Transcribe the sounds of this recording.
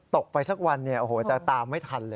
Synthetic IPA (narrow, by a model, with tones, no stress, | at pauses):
t̪o˨˩k̚pa˧jsa˦˥˩k̚wa˧nːi˥˩ɐʔo˧˩hoː˨˩˦t͡ɕa˨˩t̪aː˧mːa˥˩jt̪ʰa˧nlɤː˧